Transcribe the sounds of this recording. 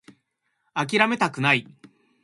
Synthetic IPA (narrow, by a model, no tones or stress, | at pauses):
ak̬ʲiɾame̞t̪akɯ̟nai